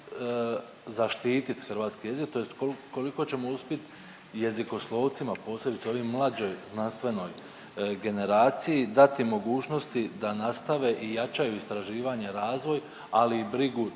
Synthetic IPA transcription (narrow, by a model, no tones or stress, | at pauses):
zaʃt̪iːt̪it̪xrɾʋaːt̪skije̞zik̚t̪o̞jest̪kolko̞liko̞t͡ɕe̞mo̞uspʲjet̪ | je̞ziko̞slˠo̞ːʋt̪simapo̞ːslʲe̞bit̪seo̞ʋiːmmlˠad͡ʑo̞jznanst̪ʋe̞no̞j | ɡe̞ne̞ɾaːt̪sijid̪at̪imo̞ɡuːt͡ʃno̞st̪id̪anast̪aʋe̞ʔijat͡ʃajuist̪ɾaʒiːʋaɲe̞ɾaːzʋo̞j | aliːbɾiɡu